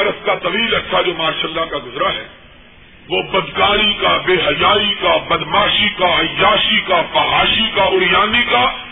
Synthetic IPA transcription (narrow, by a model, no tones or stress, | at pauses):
ɐɾəskat̪ɐʋiːlɐʈːʃʰad͡ʒoːmaːʃəlːakaɡʊzɾaɦɛ̰ː | ʋoːbɐd̪kaːɾikabeːɦɐjaːikabɐd̪maːʃikajaːʃikafɐɦaːʃikaʔʊɽɪjaːnika